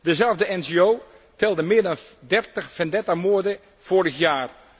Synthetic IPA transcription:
dəzɛlˠvdəɛnd͡ʒeoː | tɛlˠdəmɪːədandɛrtəxfɛndɛtamoədə | foəɾəxjaːr

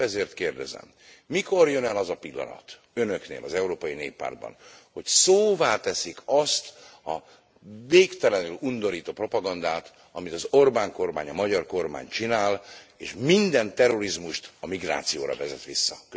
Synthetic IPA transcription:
ɛzeːrt̪keːrd̪ɛzɛ̰mː | iko̞rjønɛlɒzɒpilːɒ̰nɒ̰t̪ | ø̞nøknḛːlʔɒzɛuɾoːpɒjinḛːpːa̰ːrd̪̚bɒ̰nho̞csoːvaːt̪ɛsikʰɒst̪ɒ | veːkt̪ɛlɛnylund̪o̞ɾiːt̪oːpro̞pɒɡɒnd̪aːt̪ | ɒmit̪ɒzo̞rbaːŋko̞rma̰ːɲɒmɒɟɒrko̞rma̰ːɲt͡ʃinaːleːʃmind̪ɛnt̪ɛro̞ɾizmuʃt̪ɒmiɡra̰ːt̪sijoːɾɒ̰vɛzɛt̪ʋisːɒkø

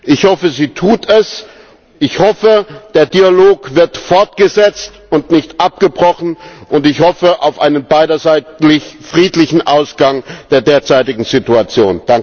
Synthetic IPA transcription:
ʔɪçhɔfəziːtʰuːtʰɛs | ʔɪçhɔfəd̥eːɐdialoːkv̥ɪɐtfɔɐt̚ɡ̥əzɛt͡st | ʊntnɪçtʔap̚ɡ̥əbʁɔχn̩ʔʊntɪçhɔfəʔaʊfʔaɪnənbaɪɾɐzaɪlɪfʁ̥iːtlɪçn̩ʔaʊsɡ̥aŋd̥eːɐdeːɐt͡saɪtɪɡŋ̩zituat͡sjoːnd̥aŋ

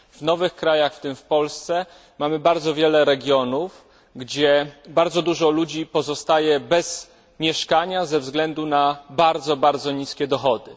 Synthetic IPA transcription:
vnɔvɘxkɾajaxft̪ɘmfpɔlst̪sɛ | mamɘbaɾd̪zɔvʲjɛlɛɾɛɡʲjɔnuf | ɡd͡ʑɛbaɾd̪zɔd̪uʐɔlud͡ʑipɔzɔst̪ajɛbɛz | mʲjɛʂkaɲazɛvzɡlɛnd̪unabaɾd̪zɔbaɾd̪zɔɲiskʲɛd̪ɔxɔd̪ɘ

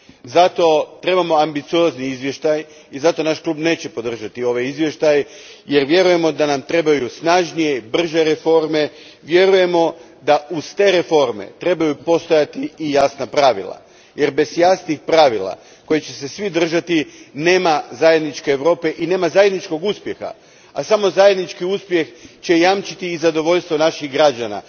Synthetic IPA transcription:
zat̪o̞t̪ɾe̞bamo̞ambit̪sio̞zniizʋje̞ʃt̪aj | izat̪o̞naʃklˠuːbne̞ːt͡ɕe̞po̞d̪r̩ʒat̪io̞ʋajizʋje̞ʃt̪ajje̞ɾʋje̞ɾuje̞mo̞d̪anamt̪ɾe̞bajusnaʒnije̞ibr̩ʒe̞ɾefo̞ɾme̞ | ʋje̞ɾuje̞mo̞ | d̪aʔuzt̪e̞ːɾefo̞ɾmḛt̪ɾe̞bajupo̞st̪ojat̪iːjasnapɾaʋḭlˠa̰ | je̞ɾbe̞zjasnixpɾaːʋilˠa̰ | ko̞jet͡ɕe̞se̞sʋid̪r̩ʒat̪ine̞ːmazaje̞d̪nit͡ʃke̞ːʋɾo̞ːpe̞ʔine̞ːmazaje̞d̪nit͡ʃko̞ɡuspje̞xa̰ | asamo̞zajed̪nit͡ʃkiuspje̞xt͡ɕe̞jamt͡ʃit̪iːzad̪o̞ʋo̞ʎʲst̪ʋo̞naʃiɣɡɾad͡ʒana̰

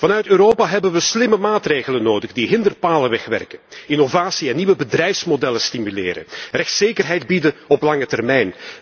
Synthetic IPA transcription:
v̥ɑnœɥtøːɾoːpaɦɛbənʋəslɪməmaːtreːɣələnːoːdəɣdiɦɪndərpaːləʋɛxʋɛ̰rkəninovaːsiɛnːiʋəbədrɛjfsmodɛləstimylɪ̰ːɾə̰rɛxtseːjkərɦɛjdbidənɔplɑŋətɛrmɛjn

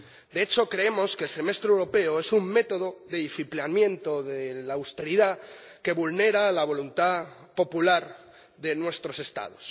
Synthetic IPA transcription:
d̪e̞et͡ʃo̞kɾe̞emo̞skelse̞me̞st̪ɾewɾo̞pe̞oe̞summe̞t̪oðo̞ðeifiplamjẽ̞nt̪o̞ðelaːwst̪e̞ɾiða | ke̞βulne̞ɾalaβ̞o̞lunt̪a | po̞pulaɾ | ðe̞nwe̞st̪ɾo̞se̞st̪a̰ð̞os

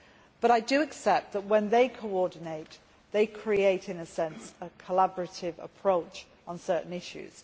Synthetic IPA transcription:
b̥ʌɾaɪdəəksɛp̚t̪̚ðəʔwə̃nðeɪkʰəʊɔːdⁿn̩eɪʔ̪ | ðeɪkʰɹ̥ieɪtʰɪ̃nəsɛ̃nsəkʰəlabəɹətʰɪvə̰pʰɹ̥oʊt͡ʃ | n̩sɜˑʔn̩ɪʃʉ̰z̥

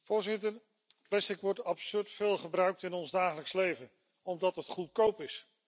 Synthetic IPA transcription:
vʊːɹzɪtəɹ | plɛstɪkʋɔɹtɑpsøɹtfɪːlˠχəbrœɥk̚tɪnɔnzdaːχələkslejvən | ɔmdɑtətχut̚kowpɪs

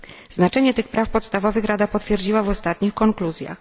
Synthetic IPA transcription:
znat͡ʂɛɲɛt̪ɘxpɾafpɔt̪st̪avɔvɘxɾad̪apɔt̪fʲjɛɾd͡ʑiwavɔst̪at̪̚ɲixkɔŋkluzʲja̰x

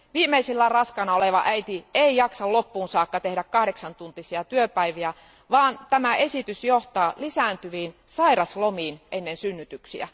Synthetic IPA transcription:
ʋiːmeisilːærɑskɑnɑoleʋɑ̰ʔæit̪ieijɑksɑllopːuːnsɑːkːɑt̪ehɾækkɑhɾeksɑnt̪unt̪isiɑt̪yøpæiʋiæ | ʋɑːnt̪æmæʔesit̪ysjoht̪ɑːlisæːˑnt̪yʋiːnsɑiɾɑslomiːnʔenːensynːyt̪yksḭæ̰

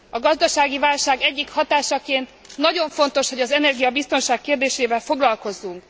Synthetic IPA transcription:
ɒɡɒzd̪ɒʃaːɡivaːlʃaːɡɛɟːikhɒt̪aːʃɒkeːnt̪ | nɒɟo̞ɱfo̞nt̪o̞ʃho̞ɟɒzɛnɛrɡijɒbist̪o̞nʃaːkːeːrd̪eːʃeːvɛlfo̞ɡlɒlko̞zːuŋk

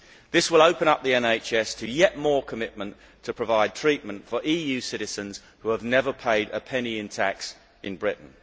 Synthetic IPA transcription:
ðɪswɪləʊpə̃ñʌp̚ðiɛ̃neɪt͡ʃɛstʰəjɛʔ̚mɔːkʰəmɪʔmə̃n | tʰəpʰɹ̥əvaɪd̚tʰɹ̥iˑʔ̚mə̃ntfəɹʔiːjʉsɪɾɪzə̃nz̥ | huəvnɛvəpʰeɪɾə̰pʰɛniɪ̃ntʰæks | ɪ̃nbɹɪʔn̩

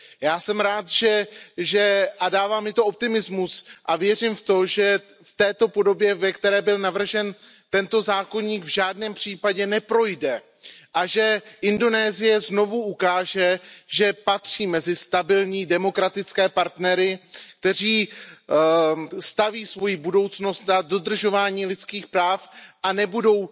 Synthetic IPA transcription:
jaːsɛmɾaːt̪ʒɛʒɛʔadaːvaːmjɪt̪oʔop̚t̪ɪmɪzmusʔavjɛr̝ɪmft̪o̞ʒɛ | ft̪ɛːt̪o̞po̞do̞bjɛvɛkt̪ɛɾɛːbɪlnavr̩ʒɛnt̪ɛnt̪o̞zaːko̞ɲiːɡvʒaːdnɛːmpr̝̥iːpaɟɛnɛpɾo̞jdɛ | ʔaʒɛʔɪndo̞nɛːzɪjɛzno̞vuʔukaːʒɛʒɛpat̪r̝̥iːmɛzɪst̪abɪlɲiːdɛmo̞kɾat̪ɪt͡skɛːpaɾt̪nɛɾɪk̚t̪ɛr̝iː | st̪aviːsvo̞jibudo̞wt͡sno̞st̪nado̞d̪r̩ʒo̞vaːɲiːlɪt̪t͡skiːxpɾaːfʔanɛbudo̞w

